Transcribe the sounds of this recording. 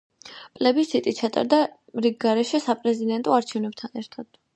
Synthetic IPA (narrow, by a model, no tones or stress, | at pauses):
pʼlɛbisit̪ʼit̪̚t͡ʃʰat̪ʼa̰ɾd̪a | mɾiɡ̚ɡaɾɛʃɛsapʼɾɛzid̪ɛnt̪ʼɔaɾt͡ʃʰɛvnɛb̚t̪ʰanɛɾt̪ʰad̪̥